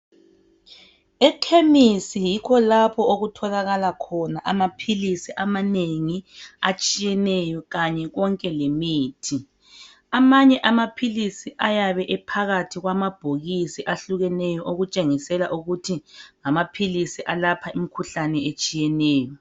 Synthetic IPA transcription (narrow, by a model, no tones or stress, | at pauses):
ɛkʰemisijikʰɔlapʰɔoɣutʰɔlaɣalakʰɔnaʔamapʰilisiʔamaneŋiat͡ʃʼijɛnɛjɔɣaɲɛɣɔŋkʼɛlemiːtʰi | amaɲɛʔamapʰilisiʔajaβɛʔɛpʰaɣatʰiɣwamab̥ʱoɣisiʔaɬuɣɛnɛjɔʔoɣut͡ʃʼeŋisɛlaʔuɣutʰiŋamapʰilisiʔalapʰaimikʰuɬanɛet͡ʃʼijɛnɛːjɔ